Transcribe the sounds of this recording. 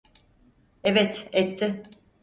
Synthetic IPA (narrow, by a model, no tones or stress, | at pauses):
evɛt̪ɛt̪ʰːɪ